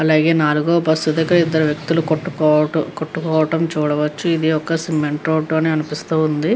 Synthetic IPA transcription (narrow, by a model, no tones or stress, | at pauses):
ɐlaːɡe̞ːnaːluɡoːbɐst̪ud̪ɐkɐɾɐid̪ːɐɾuʋjɐk̚t̪ulukoʈːukɔːɐkoʈːukɔːʋɐʈɐmt͡ʃuːɽɐʋɐt͡ʃːuid̪iɔkːɐsimːeɳʈɾoːʈːoɐneːɐnipist̪uːund̪i